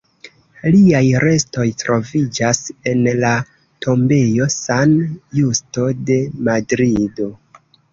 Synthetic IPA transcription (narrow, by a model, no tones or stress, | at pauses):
liajɾe̞sto̞jtɾo̞vid͡ʒase̞nla | tʰo̞mbe̞jo̞sanjusto̞de̞madɾido̞